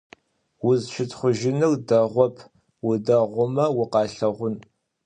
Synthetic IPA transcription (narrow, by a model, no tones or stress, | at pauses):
wʊzʃɪtʰʼχʷʊʒɪnɨrdɐʁʷɔpʰ | wʊdɐʁʷʊmɐwʊqɑːɬɐʁʷʊn